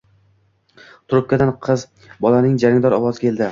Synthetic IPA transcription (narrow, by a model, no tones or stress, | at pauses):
t̪ʰʊɾʊp̚kʲad̪anqʰɨz | bɒlanɪŋd͡ʒaɾɪŋd̪ɒɾɒwɒzɪkʲʰe̞ld̪ɪ